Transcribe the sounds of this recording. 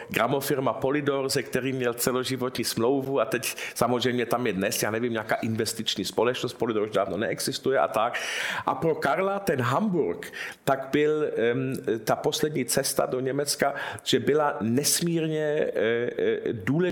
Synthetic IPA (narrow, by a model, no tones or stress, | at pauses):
ɡɾamofɪɾmapolɪdoɾzɛkt̪ɛɾiːmɲɛlt͡sɛloʒɪvot̪ɲiːsmlowvuat̪ɛcsamozr̝ɛjmɲɛt̪amjɛdnɛsjaːnɛvimɲaːkaːʔɪnvɛst̪ɪt͡ʃɲiːspolɛt͡ʃnost̪̚polɪdoʒdaːvnonɛʔɛɡz̥ɪst̪ujɛʔa̰t̪akʔa̰pɾokaɾlat̪ɛnɦambuɾkt̪aɡbɪl | t̪aposlɛdɲiːt͡sɛst̪a̰doɲɛmɛt͡skaʒ̥ɛbɪlanɛsmiːɾɲɛ | duːlɛ